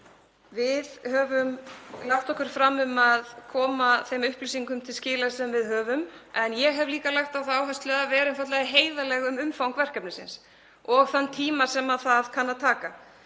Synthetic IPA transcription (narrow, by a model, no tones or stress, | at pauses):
vɪðhœːvʏmlaxt̪ɔhkʏɾ̥fɾamʏmaðkʰɔːmaθejmʏhplisiŋkʏmt̪ʰɪlscɪːlasɛmvɪðɦœːvʏmɛnjɛɣɦɛvliːkalaxt̪aθaːwɦajst̪lœðavɛːɾɛnfat̪lɛɣaɦeːjðalɛɣʏmʏmfawŋkvɛr̥kapnɪsɪ̰ns | ɔɣθant̪ʰiːmasɛmaðθaðkʰanːat̪ʰaːka